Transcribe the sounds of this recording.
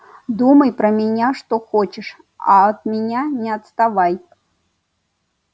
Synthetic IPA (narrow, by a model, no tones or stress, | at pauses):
d̪umɐjpɾɐmʲɛnʲaʂt̪oxɔt͡ʃɛʂ | a̰ːt̪mʲɛnʲanʲɛɐt̪st̪avaj